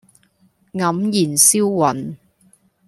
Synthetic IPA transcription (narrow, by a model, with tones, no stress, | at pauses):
ŋɐ˨˥mjiː˨˩nsiː˥wwɐ˨˩n